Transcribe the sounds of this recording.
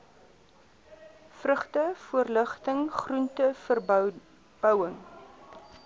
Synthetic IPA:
frəχtəfuərləχtəŋχruntəfərb | b̥œwəŋ

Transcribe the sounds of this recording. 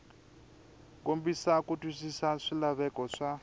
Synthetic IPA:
kom̩bisakutʼwisisaʂilaβɛkɔʂa

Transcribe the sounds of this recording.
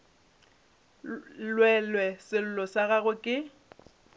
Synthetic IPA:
lwɛlwɛsɪl̩lɔsaɣaɣʊkʼɪ

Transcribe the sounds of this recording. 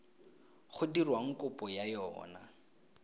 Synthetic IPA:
χʊdirwaŋ̩kʼʊpʼɔjajɔ̰ːna

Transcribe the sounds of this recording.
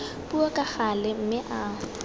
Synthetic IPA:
pʼuɔkʼaχalɪm̩mɪʔaːʊ

